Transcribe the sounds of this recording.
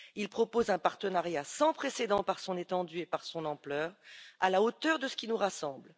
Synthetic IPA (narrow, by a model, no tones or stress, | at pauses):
ilpχɔpozɛ̃paʁt̪ənaʁjasɑ̃pχesed̪ɑ̃paʁsɔ̃net̪ɑ̃d̪yepaʁsɔ̃nɑ̃plœːʁalaot̪œʁd̪əsə̥kʲinuʁasɑ̃bl